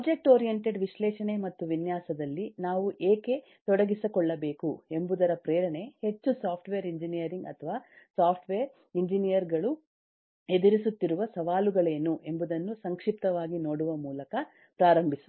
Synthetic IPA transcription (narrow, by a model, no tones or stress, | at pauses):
ɐd͡ʒek̚ʈoːɾijeɳʈeɖʋiʃlɛːʂɐɳemɐt̪ːuʋinjaːsɐd̪ɐlːinaːʋuʔeːke̞ | t̪ɔɽɐɡisɐkɔɭːɐbe̞ːkue̞mbud̪ɐɾɐpɾɛːɾɐɳe̞he̞t͡ʃːusaːpʰʈʋeːɾiɲd͡ʒinijɐɾiŋɡɐ̰t̪ʰɐʋaː | saːpʰʈʋeːɾ | iɲd͡ʒinijɐɾɡɐɭu | e̞d̪iɾisut̪ːiɾuʋɐsɐʋaːluɡɐɭeːnːuʔe̞mbud̪ɐnːusɐŋkʂip̚t̪ɐʋaːɡino̞ːɽuʋɐmuːlɐkɐ | pɾaːɾɐmbʱisu̥